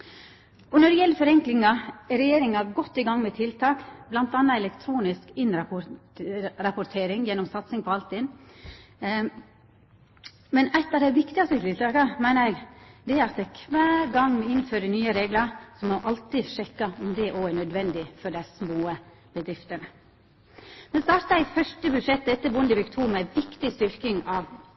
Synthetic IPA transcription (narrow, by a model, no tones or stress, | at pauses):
ɔnɔɖɛjɛlːəɾfɔɾɛŋklɪŋɑɛɾɛjeːɾɪŋɑɡɔt̪ːɪɡɑŋːmɛt̪ʰɪlt̪ʰɑːkblɑnt̪ɑnːɑɛlɛkt̪ʰɾuːnɪskɪnɾɑpʊ | ɾɑpʊt̪ʰeːɾɪŋjɛnːɔmsɑt̪sɪŋpʰɔɑlt̪ɪn | mɛnæɪt̪ːɑːʋd̪ɛɪʋɪkt̪ɪɡɑst̪ət̪ʰɪlt̪ʰɑːkəmæɪnəɾɛɡd̪ɛæɾɑt̪ɛɪkʰʋæːɾɡɑŋmɔɪnføːɾənyːəɾeːɡləɾsɔmɔʔɑlt̪ɪʂɛkːɑɔmd̪ɛʔoːænœd̪ʋɛnd̪ɪfɔɖæsmoːə | b̥əd̪ɾɪft̪əɳə | mɛnst̪ɑːɾt̪əæɪfœʂʈəbʉd̪ʂɛt̪ːɛt̪ːəbʊnd̪əfɪkt̪ʰuːmɛʋɪkt̪ɪst̪ʏɾkɪŋɑʋ